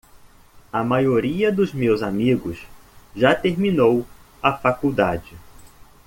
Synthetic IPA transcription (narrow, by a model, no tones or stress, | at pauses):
ɐmajoɾiɐd̪ʊzmewzamiɡʊsʒat̪eɾminow | ɐfakuwd̪ad͡ʒɪ